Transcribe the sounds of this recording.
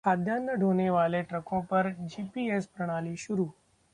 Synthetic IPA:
ad̪ʱjanːəɖʱoneʋaleʈɾəkõpəɾd͡ʒipiespɾəɽ̃aliʃʊɾu

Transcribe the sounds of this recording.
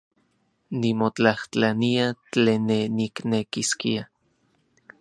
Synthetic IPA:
nimot͡ɬaht͡ɬaniat͡ɬeːnːeniknekiskia

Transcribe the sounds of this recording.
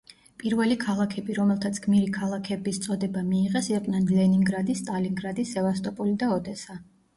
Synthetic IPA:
pʼiɾvɛlikʰalˠakʰɛbiɾɔmɛlˠt̪ʰat̪sʰɡʰmiɾikʰalˠakʰɛbist̪sʼɔd̪ɛbamiːʁɛsɛqʼnanlɛniŋɡɾad̪ist̪ʼaliŋɡɾad̪isɛvast̪ʼɔpʼulid̪aɔd̪ɛsa

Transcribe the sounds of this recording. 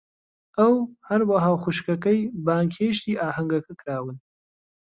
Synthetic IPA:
ʔɐwhɐɾwɐɦaːwxuʃkɐkɐjbaːŋkʰheːʃt̪iːʔaːhɐŋɡɐkʰɐkʰɨɾaːwɨn

